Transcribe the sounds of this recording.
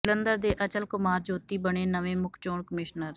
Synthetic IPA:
lənd̪əɾd̪eːʔət͡ʃəlkʊmaːɾd͡ʒoːt̪iːbəɳeːnəʋẽːmʊkʰt͡ʃoːɳkəmɪʃnəɾ

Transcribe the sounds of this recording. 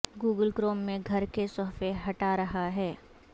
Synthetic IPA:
ɡuːɡəlkɾoːmːẽɡʱɐɾkesɔɦfeɦɐʈaɾɐɦaɦɛː

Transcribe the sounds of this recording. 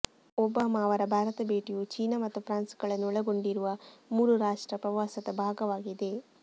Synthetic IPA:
ɔbɐːmaːʋɐɾɐbʱaːɾɐt̪ɐbeːʈijut͡ʃiːnɐmɐt̪ːupʰɾaːnsɡɐɭɐnːuɔɭɐɡo̞ɳɖiɾuʋɐmuːɾuɾaːʂʈɾɐpɾɐʋaːsɐt̪ɐbʱaːɡɐʋaːɡid̪e̞

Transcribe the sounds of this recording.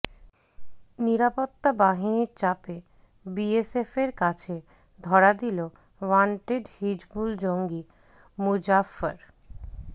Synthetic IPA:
niɾapot̪ːabaɦiniɾt͡ɕape | biesefeɾkat͡ɕʰe | d̪ʱɔɾad̪ilo | waɳʈeɖhid͡ʒbuld͡ʑoŋɡi | mud͡ʑafaɾ

